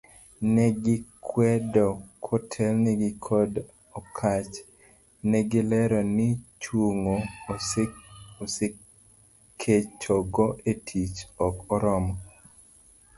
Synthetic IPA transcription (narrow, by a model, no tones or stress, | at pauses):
nɛɡɪkʰwɛdɔkʰɔtʰɛlniɡɪkʰɔd | ɔkʰat͡ʃ | nɛɡɪlɛɾɔnɪt͡ʃwuŋo | ose | kʰet͡ʃɔɡɔʔetʰit͡ʃɔkɔɾɔmɔ